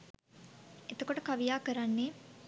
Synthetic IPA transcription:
et̪okoʈəkaʋijaːkəɾanːeː

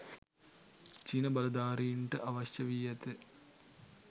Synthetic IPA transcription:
t͡ʃinɐbɐlɐd̪aːɾiːɳʈɨʔɐʋɐɕjɐʋijɐt̪ɨ

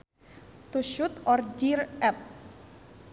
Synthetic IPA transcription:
t̪uʃut̪ɔrd͡ʒirɛp̚

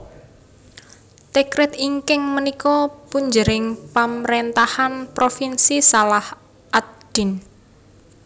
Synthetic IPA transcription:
t̪ekɾɪt̪iŋkɪŋmənikɔpuɲd͡ʒəɾɪŋpamɾent̪ahanpɾofinsisalah | ʔad̪̥i̤n

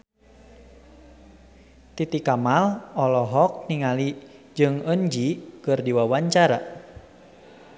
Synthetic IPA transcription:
t̪it̪ikamalɔlɔɦɔk̚niŋali | d͡ʒɨŋəɲd͡ʒikɨrdiwawaɲt͡ʃaɾa

